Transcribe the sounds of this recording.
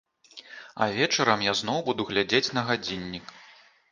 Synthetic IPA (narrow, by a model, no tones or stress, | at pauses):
ɐ̰vʲɛt͡ʂɐɾɐmjaznɔwbud̪uɣlʲad͡zʲet͡sʲn̪ɐɣad͡zʲinʲːik